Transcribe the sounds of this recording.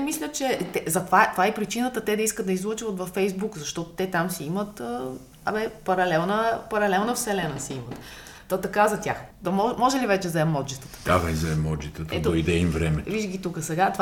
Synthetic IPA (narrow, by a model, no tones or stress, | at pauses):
ɛmislʲət͡ʃɛt̪ɛzɐt̪ovat̪ovaɛpɾit͡ʃinət̪ət̪ɛd̪ɐiskət̪d̪əizlˠɤt͡ʃivət̪vɐfːɛjzbukzɐʃt̪ɔt̪ʊ̥t̪ɛt̪amsiimət̪ə | ɐ̰bɛpɐɾɐlɛlˠnəpɐɾɐlɛlˠnəfsɛlɛnəsiimət̪ | t̪ːɔt̪ɐkazɐt̪ʲjax | d̪ɐmɔmɔʒɛlivɛt͡ʃɛzɐɛmːɔd͡ʒit̪ə̥t̪ə̥d̪ad̪ɐizɐɛmːɔd͡ʒist̪ət̪əɛd̪oid̪ɛimvɾɛmɛviʒɡʲit̪ukəsɛɡat̪ov